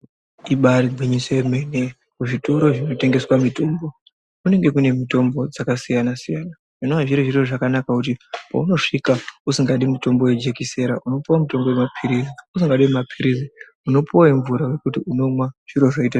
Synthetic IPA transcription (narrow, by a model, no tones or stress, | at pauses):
iɓaɾiɡʱwiɲisoemene | kuʐitoɾo̞ʐino̞te̞ŋɡe̞swamito̞mbo̞ | kune̞ŋɡe̞kune̞mito̞mbo̞d͡zakasijanasijaːna | ʐ̥inoaʐiɾiʐiroʐakanakakut̬ipa̰uno̞ʂikausiŋɡaɗimuto̞mbo̞we̞d͡ʒe̞kise̞ɾaʔuno̞puwamuto̞mbo̞wemapʰiɾiziusiŋɡaɗimmapʰiɾizi | uno̞puwaiɱvuɾawe̞kutiuno̞mwaʐ̥iɾo̞ʐoita